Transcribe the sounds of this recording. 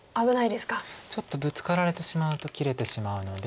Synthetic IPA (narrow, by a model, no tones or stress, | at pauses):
abɯ̟naid̪e̞sɨ̥kat͡ɕo̞t̪ːo̞bɯ̟t͡sɨ̥kaɾaɾe̞t̪e̞ɕimaɯ̟t̪o̞kʲiɾe̞t̪e̞ɕimaɯ̟no̞d̪e